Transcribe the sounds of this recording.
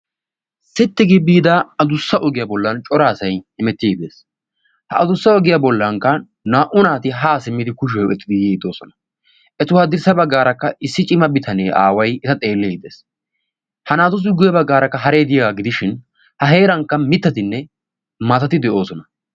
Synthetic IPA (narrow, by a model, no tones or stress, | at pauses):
sɪt̪ːɪɡɪbːiːd̪aɐd̪ʊsːɐʔɔɡɪjaːbɔlːɐnt͡ʃʼɔɾaːsɐjhɪmɛt̪ːɪd̪e̞ːs | hɐɐd̪ʊsːɐɔɡɪjaːbɔlːɐŋkːɐ | naːʔʊnaːt̪ɪɦaːsɪmːɪd̪ɪkʊʃ̬ɛwɛt̪ːɪd̪ɪjeːd̪o̞ːsɔnɐ̥ | ʔɛt̪ʊhaːd̪ɪɾsɐbɐɡːaːɾɐkːɐʔɪsːɪt͡ʃʼɪmɐbɪt̪ʰɐneːʔa̰ːwɐjɪt̪ɐt̪ʼe̞ːlːeːɪd̪e̞̰ːs | hɐnaːt̪ʊs̬ɪɡʊjɐbɐɡːaːɾɐkːɐɦɐɾe̞ːd̪ɪjɐɡaːɡɪd̪ɪʃɪn | hɐɦe̞ːɾɐŋkːɐmɪt̪ːɐt̪ɪnːɛ | maːt̪ɐt̪ɪd̪ɛʔo̞ːsɔnɐ